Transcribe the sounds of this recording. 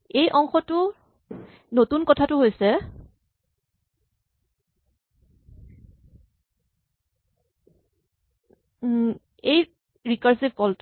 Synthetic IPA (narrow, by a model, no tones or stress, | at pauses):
ejʔɔŋxɔtʊ | notunkɔtʰatʊɦojsɛ | ej | ɹikaɹsib̚kɔlt